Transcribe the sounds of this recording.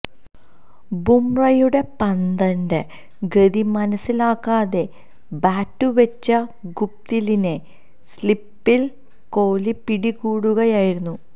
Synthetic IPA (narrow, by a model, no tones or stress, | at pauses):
bumrɐjuɽe̞pɐnd̪ɐnde | ɡeðimɐnɐsːilaːkːaːðe̞ | baːtːuʋet͡ɕːɐɡup̚t̪iline | slipːil | ko̞ːlipiɽikuːɽuɣɐjaːjiɾunːu